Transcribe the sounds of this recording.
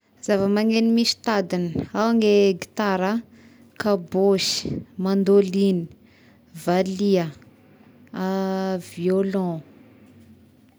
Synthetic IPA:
z̥avəmaŋenimiʃi̥t̪ad̪inawaŋɡeɡit̪aɾə | kaboʃi̥mand̪olini̥ | valiə | aviolɔ̃

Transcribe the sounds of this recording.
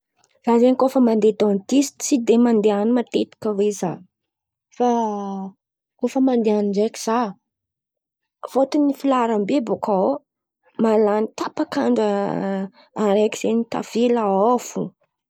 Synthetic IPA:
z̥azenikofəmand̪ed̪ont̪ist͡sid̪emand̪eanimat̪et̪i̥kəweza | fa | kofəmand̪eaniɳɖ͡ʐeki̥z̥a | fot̪unifilaɾambebokʰao | malanit̪apakaɳɖ͡ʐə | aɾeki̥z̥enit̪a̰v̥elaofu

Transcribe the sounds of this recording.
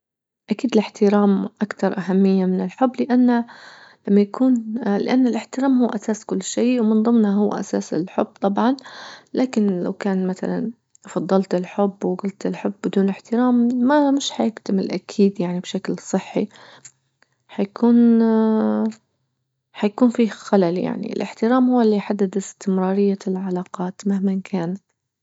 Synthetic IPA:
ʔakiːd̪ɪlɪħt̪ɪɾaːmʔakt̪ɑɾˤʔaɦamːɪjːamɪnɪlħʊbːlɪʔanːalamːajakuːnlɪʔanːalʔɪħt̪ɪɾaːmhʊwːʔasaːskʊlːʃiːwmɪnðˤɨmnaɦʊwːa̰ʔa̰saːsɪlħʊb̥ːt̪ˤɑbʕɑnlaːkɪnla̰wkaːnmaθa̰la̰n | fɑd̪ˤːɑlt̪ɪlħʊbːwɪɡʊlt̪ɪlħʊbːɪd̪uːnlɪħt̪ɪɾaːmːamɪʃħajɪkt̪amɪlʔakʰiːd̪jaʕnibʃaklsˤɨħːḭ | ħajkuːn | ħajakuːnfiːxalalja̰ʕnḭɪ̰lʔɪ̰ħt̪ɪɾaːmhʊwːalːiħad̪ːad̪ɪst̪ɪmɾɑːɾɪjːalʕalɑːqɑːt̪mahmankʰaːnat̪

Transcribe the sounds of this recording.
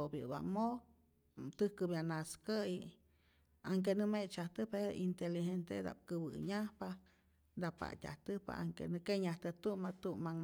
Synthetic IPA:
objɨ̰ba̰mo | t̪ɨhkɨbjanaskəi | aŋk̬enɨmet͡ʃaht̪ɨpeɾoʔint̪eliɦent̪ed̪a̰p̚kɨbɨ̰ɲahpa | d̪apa̰tʲa̰ht̪ɨpa̰ʔaŋkḛnɨkeɲaht̪ɨt̪umat̪umːaŋ

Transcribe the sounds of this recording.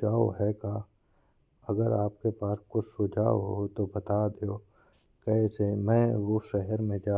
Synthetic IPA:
d͡ʒaːo̰ɦɛkaː | ɐɡəɾaːp̚kepaːskʊsʊd͡ʒʱa̰ːo̰ɦot̪obɐt̪ad̪eoː | kɛːsemɛ̃ːʋoʃɛɦɛɾmẽd͡ʒaː

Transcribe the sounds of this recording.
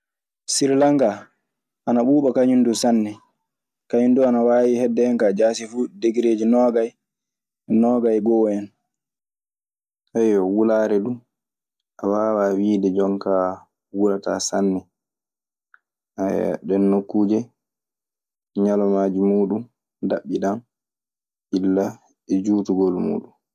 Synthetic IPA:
siɾlaŋɡa | ʔanaɓuːɓɔkaɲundusanːɛ | kaɲunduanawaːwihɛdːɛŋkad͡ʒaːsifuːdeɡiɾeːd͡ʒinɔːɡaj | nɔɡajɡɔwɛn | sajɔwulaːɾɛɗu | ʔawaːwaːwiːdɛd͡ʒɔŋka | wulata̰sanːɛ | a̰ɗɛnːokːuːd͡ʒɛ | ɲalɔmaːd͡ʒimuːɗun | daɓːiɗan | ʔilːa | ɛd͡ʒuːtuɡolmṵːɗun

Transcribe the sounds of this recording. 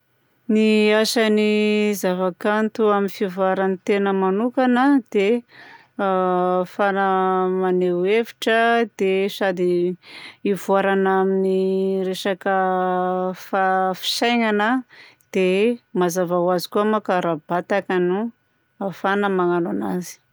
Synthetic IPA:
niasanizavakant̪uaminfivaɾanit̪enəmanukanəd̪̥e | fanəmanewevi̥ʈ͡ʂəd̪esad̪i | ivuaɾanaminiɾesakə | fafi̥ʃajŋanəd̪̥emazavawazi̥kuamakaɾabat̪akanu | afanəmaŋanana̰zi̥

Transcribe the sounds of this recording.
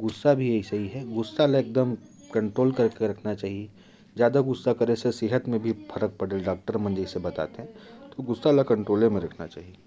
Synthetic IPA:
ɡʊsːabʱijeɦisɐɦiɦɛɡʊsːalaeːk̚d̪əm | kɐ̃ɳʈɾoːlkɐɾkeɾɐkʰnat͡ʃaːɦie | d͡ʒjaːd̪aɡʊsːakəɾesesɪɦət̪mẽbʱifʰɐɾək̚pɐɽelɖaːk̚ʈəɾmə̃nd͡ʒesebɐt̪a̰ːt̪eɦɛ̃t̪oɡʊsːalakɐ̃ɳʈɾoːlẽmẽɾɐkʰnat͡ʃa̰ːɦie

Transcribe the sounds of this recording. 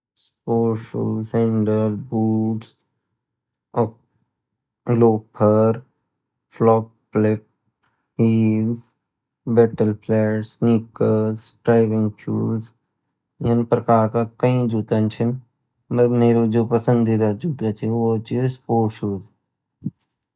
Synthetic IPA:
spoːʃuːẽɳɖəɾbuːʈs | loːpʰəɾ | flɔːkːlɪk̚ | iːlz | bɛʈəlpʰlɛːʈsnikəɾzʈaːɪbɪ̃ŋɡt͡ʃṵːz | jənpɾəkaːɾkakəĩd͡ʒuːt̪ant͡ʃʰɪn | məɾmeːɾod͡ʒoːpəsə̃nd̪iɾɐd͡ʒuːt̪at͡ʃʰiʋot͡ʃispoːʃuːz

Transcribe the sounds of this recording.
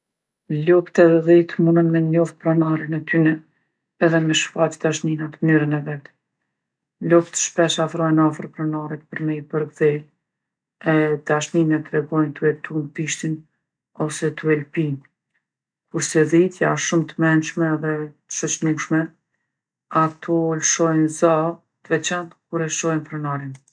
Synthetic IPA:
lupt̪ɛðit̪munənmɛɔft̪̚pɾɔnaɾinɛt̪ynɛ | ɛðɛmɛʃfat͡ʃi̥d̪aʃninat̪əmnyɾənɛvɛt̪ | lupt̪ə̥ʃpɛʃafɾɔjnafɾpɾɛnaɾɛt̪pəɾmɛjpəɾɡði | ɛd̪aʃninɛt̪ːɾɛɡɔjnt̪uɛt̪unpiʃt̪in | ɔsɛt̪uɛlpin | kuɾsɛðit̪jaʃumt̪əmɛnʃmɛːðɛt̪ə̥ʃɔt͡ʃnuʃmɛ | at̪ʰɔlʃɔjnza | t̪əvɛt͡ʃant̪kuɾɛʃɔjnpɾɛnaɾin

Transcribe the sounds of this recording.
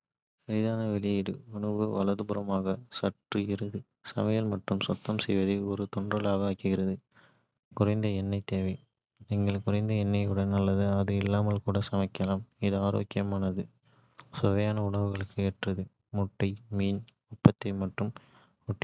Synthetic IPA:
sɐɾɪðaːnɐʋɛlɪjɪɽɯʊɳɐbɯʋɐlɐðɯbɯɾɐmaːɣɐsɐʈrɯɪɾɯðɯ | sɐmɐjɐlmɐʈːɯmsɔt̪ːɐmsɛjʋɐðɐɪɔɾɯt̪ɔɳdrɐlaːɣɐaːkɯɣɪɾɐðɯ | kʊrɐɪnd̪ɐɛnːɐɪt̪eːʋɐɪ | niŋɡɐɭkʊrɐɪnd̪ɐɛnːɐɪɯɽɐnɐlːɐðɯɐðɯɪlːaːmɐlkuːɽɐsɐmɐɪkːɐlaːmɪðɯaːɾo̰ːkːɪjɐmaːnɐðɯ | sɔʋɐjaːnɐʊɽɐʋɯɣɐɭɯkːɯeːʈrɐðɯ | mɔʈːɐɪmiːn | ɔpːɐt̪ːɐɪmɐʈːɯm | ʊʈː

